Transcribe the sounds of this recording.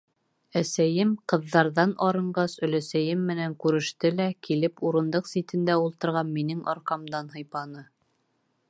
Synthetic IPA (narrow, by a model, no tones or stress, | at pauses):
æsæjɘmqɤ̆ðːɑɾðɑnʔɑɾɤ̆ɴɢɑsɵ̆læsæjɘmːɘ̆næŋkʉɾɘ̆ʃt̪ɘlækilɘpuɾɤ̆nd̪ɤqsit̪ɘ̆nd̪æulˠt̪ɤ̆ɾʁɑnminɘŋʔɑ̰ɾqɑmd̪ɑnɦɤ̆jpɑnɤ